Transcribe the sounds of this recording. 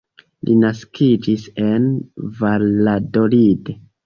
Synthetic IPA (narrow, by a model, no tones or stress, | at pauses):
lʔinaskʰid͡ʒise̞nvalladolide